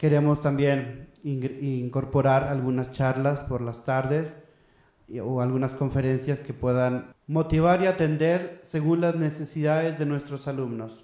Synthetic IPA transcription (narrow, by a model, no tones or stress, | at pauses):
ke̞ɾe̞mo̞st̪ambjeniŋiŋko̞ɾpo̞ɾaɾalɣunast͡ʃaɾlaspo̞ɾlast̪aɾðe̞s | oalɣunasko̞ɱfe̞ɾe̞nsjaske̞pwe̞ðanmo̞t̪iβaɾiat̪e̞nd̪e̞ɾse̞ɣunlazne̞se̞siðaðe̞zðe̞nwe̞st̪ɾosalumno̞s